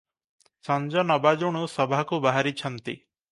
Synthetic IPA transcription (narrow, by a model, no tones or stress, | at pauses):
sɔnd͡ʒɔnɔbad͡ʒuɽ̃usɔbʱakubaɦaɾit͡ʃʰɔnt̪ḭ